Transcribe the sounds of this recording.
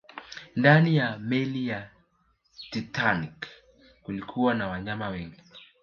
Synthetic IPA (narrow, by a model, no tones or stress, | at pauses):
ndanijamɛlija | titanik | kulikʰuwanawaɲamawɛŋɡi